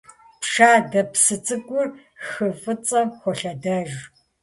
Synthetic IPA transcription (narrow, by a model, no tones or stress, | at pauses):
pʂaːdɐpsɨt͡sʼɨkʷʼʊr | xɨfɨt͡sʼɐxʷɔɬɐdɐʒ